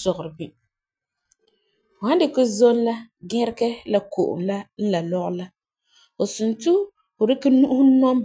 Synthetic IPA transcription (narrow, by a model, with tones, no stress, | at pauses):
sɔ˨ɣʊ˨ɾɪ˨bi˦˨ | ha˦n˦dɪ˦kʊ˦zo˦n˦la˦ɡɛ˦ɾɪ˦kɛ˦la˨ko̰˨ʔʊ̰˨mla˦n̩˦la˨lɔ˦ɣʊ˦la˦ | ʊ˨su˨ntu˦ | ʊ˨dɪ˦ka˦nu˦ʔu˦hu˦nɔ˦m˦